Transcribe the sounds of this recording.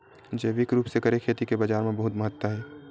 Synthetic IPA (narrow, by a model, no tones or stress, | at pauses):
d͡ʒeːʋɪkɾuːpsekəɾekʰeːt̪ikebad͡ʒaːɾmẽbəɦʊt̪məɦət̪wəɦɛː